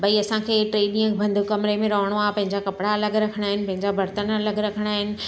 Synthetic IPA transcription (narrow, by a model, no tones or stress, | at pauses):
bɐiɐsãkʰeːʈɾeːɗɪ̃ːəkbʱɐ̃nd̪ʱʊkːɐmɪɾemẽɾɐɦəɽ̃oaːpɐ̃ɦɪ̃ɲd͡ʑakɐpɪɽaɐləɡɾɐkʰəɽ̃aːɦɪnɪ̆pɐ̃ɦɪ̃ɲd͡ʑabʱɐɾt̪ənɐləɡɾɐkʰəɽ̃aːɦɪnɪ̆